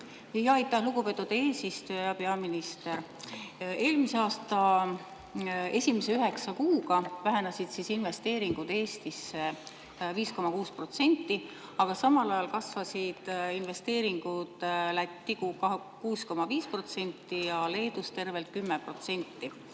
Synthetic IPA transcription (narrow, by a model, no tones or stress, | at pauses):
jɑjt̪ːˑɑhluɡupe̞t̪ːˑud̪̥eːsist̪ujɑjɑpe̞ɑminist̪e̞ɾ | e̞ːlmiseɑːst̪ɑ | e̞sʲimese̞yɦe̞ksɑkuːɡ̥ɑvæɦe̞nɑsid̪̥sisinve̞st̪e̞ːɾiŋɡ̥ud̪̥eːst̪isːe | viːsko̞mɑkuːspro̞t̪se̞nʲt̪ːi | ɑɡ̥ɑsɑmɑlɑjɑlkɑsvɑsid̪̥inve̞st̪e̞ːɾiŋɡ̥ud̪̥læt̪ːiɡukɑ | kuːsko̞mɑviːspro̞t̪se̞nʲt̪ːijɑle̞ːd̪̥ust̪e̞rve̞lt̪̚kymːepro̞t̪se̞nʲt̪ːi